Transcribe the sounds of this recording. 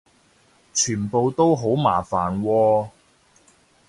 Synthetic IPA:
t͡ʃʰyː˨˩npo˨wt̪o˥wɦo˨˥wma̰ː˨˩faː˨˩nwɔː˧

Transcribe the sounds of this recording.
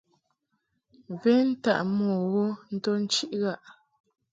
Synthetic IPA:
ve˦n̩˦ta̰˦ʔmɔ˨ɣo˦n̩˦to˦n̩˦t͡ʃi˦ʔɣa˦˨ʔ

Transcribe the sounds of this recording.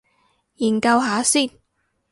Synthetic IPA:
jiː˨˩nkɐ˧wɦaː˨˥siː˥˩n

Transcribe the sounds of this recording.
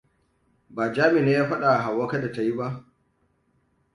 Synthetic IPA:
baː˨d͡ʒaː˦mɪ˨neː˦jaː˦ɸa˦ɗa˨ɦa˨wːɐ˦ka˦da˨ta˨ji˦ba˦ʔ

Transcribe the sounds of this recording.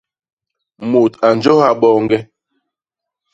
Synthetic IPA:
mo˨ta˨n˦d͡ʒo˦ha˦ɓɔː˦˨ŋ˦ɡɛ˦

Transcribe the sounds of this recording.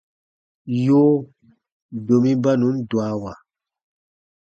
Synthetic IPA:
joː˦ | do˨mĩ˦ba˦nũ˨˦n̩˦dwa˨˦wa˨

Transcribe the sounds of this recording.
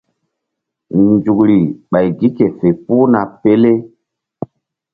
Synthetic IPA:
nd͡ʒu˨kɾi˨ɓa˨jɡi˦ke˨fe˨pu˦na˨pe˦le˦

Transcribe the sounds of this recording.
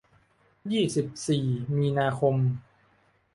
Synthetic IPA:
jiː˥˩si˨˩p̚siː˨˩miː˧naː˧kʰo˧m

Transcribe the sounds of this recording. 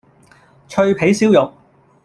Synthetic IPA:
t͡ʃʰɵ˧ɥpʰe˨˥jsiː˥wjʊ˨˩k̚

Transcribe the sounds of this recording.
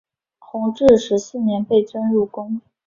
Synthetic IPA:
xʰʊ˧˥ŋʈ͡ʂɻ̩˥˩ʂɻ̩˧˥s̩˥˩njɛ˧˥npe˥˩ɪt͡sə˥nɻu˥˩kʊ˥ŋ

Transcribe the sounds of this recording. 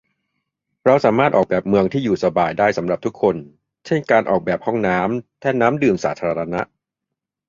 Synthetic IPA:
ɾa˧wsaː˩˦maː˥˩t̪̚ʔɔː˨˩bɛː˨˩p̚mɯ˧əŋt̪ʰiː˥˩juː˨˩sa˧baː˨˩jdaː˥˩jsa˩˦mɾa˨˩p̚t̪ʰkʰːo˧n | t͡ɕʰe˥˩nkaː˧nʔɔː˨˩k̚bɛː˨˩p̚hɔ˥˩ŋnaː˦˥mt̪ʰɛː˥˩naː˦˥mdɯː˨˩msaː˩˦t̪ʰaː˧ɾa˧a˧na˦˥ʔ

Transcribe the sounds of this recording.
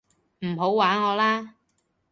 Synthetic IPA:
m̩˨˩ɦo˨˥wwaː˨˥nŋɔː˨˧laː˥

